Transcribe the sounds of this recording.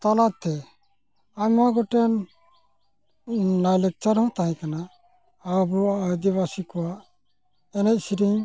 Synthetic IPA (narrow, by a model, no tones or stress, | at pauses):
t̪alat̪ʰɛ | amaɡɔʈɛn | lalɛk̚t͡ʃaɾɦɔ̃t̪aɦɛ̃kanaː | buad̪iβasikɔwaʔ | ɛnɛc̚siɾiɲ